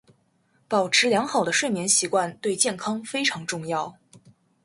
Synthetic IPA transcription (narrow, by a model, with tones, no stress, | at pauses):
pɑ˨˩ʊʈ͡ʂʰɻ̩˧˥ljɑ˧˥ŋxɑ˨˩d̪ə˦ʂwe˥˩ɪmjɛ˧˥nɕi˧˥kwa˥˧nt̪we˥˧ɪt͡ɕjɛ˥˩nkʰɑ˥ŋfe˥ɪʈ͡ʂʰɑ˧˥ŋʈ͡ʂʊ˥˧ŋjɑ˥˩ʊ